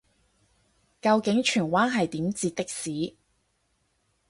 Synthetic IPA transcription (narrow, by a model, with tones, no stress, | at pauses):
kɐ˧wkɪ˨˥ŋt͡ʃʰyː˨˩nwaː˥nɦɐ˨jt̪iː˨˥mt͡siː˧t̪ːɪ˥k̚siː˨˥